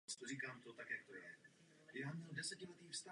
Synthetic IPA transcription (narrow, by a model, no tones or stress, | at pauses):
st̪oriːkaːmt̪ot̪akjak̚t̪ojɛ | jaːmɲɛldɛsɛcɪlɛt̪iːfst̪a